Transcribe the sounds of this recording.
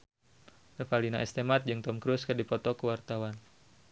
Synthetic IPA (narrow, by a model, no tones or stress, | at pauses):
nəfalinaʔɛst̪emat̪̚d͡ʒɨŋt̪ɔmkɾuskɨrdipɔt̪ɔkəwart̪awan